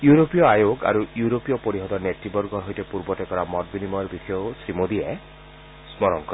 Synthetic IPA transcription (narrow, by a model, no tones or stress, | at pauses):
juɾopijɔajoɡa̰ɾujuɾopijɔpoɾiɦɔd̪ɔneʈːibɔɾɡɔɦojtepuɾbɔtekɔɾamɔtbinimɔɾbikʰijosɾimod̪ie | smɔɾɔŋkɔɾ